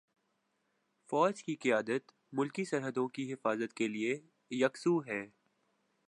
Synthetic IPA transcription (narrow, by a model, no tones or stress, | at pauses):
fɔːd͡ʒkiqɪjaːd̪ət̪ | mʊlkisɐɾɦəd̪õkiɦɪfaːzət̪kelie | jɐksuɦɛː